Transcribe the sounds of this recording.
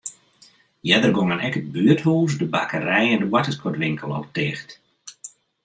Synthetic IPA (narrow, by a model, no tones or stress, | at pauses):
jɛdərɡoŋənɛkəd̚byəthuːs̬dəbakərɛjɛndəwatəskʰɔtʋɪŋkʰəlˠɔ̰lˠtɪːxt